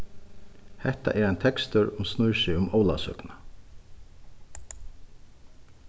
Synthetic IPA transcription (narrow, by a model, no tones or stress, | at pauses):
hɛht̪a̰ʔɛɾajnt̪ʰɛkst̪ʏɾʊmsnʊjʃɪʊmɔːwla̰sœ̰kna